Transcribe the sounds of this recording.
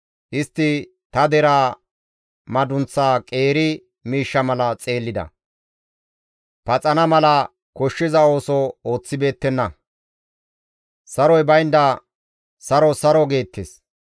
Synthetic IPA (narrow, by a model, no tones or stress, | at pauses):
ʔɪst̪ːɪ | t̪ɐd̪ɛɾaː | mɐd̪ʊnt͡sːaːkʼe̞ːɾɪ | miːʃːɐmɐlɐt͡sʼe̞ːlːɪd̪ɐ̰ | pɐt͡sʼɐnɐmɐlɐ | kɔʃːɪzɐo̞ːsɔo̞ːt͡sːɪbe̞ːt̪ːɛnːɐ | sɐɾɔjbɐjnd̪ɐ | sɐɾɔsɐɾɔɡe̞ːt̪ːes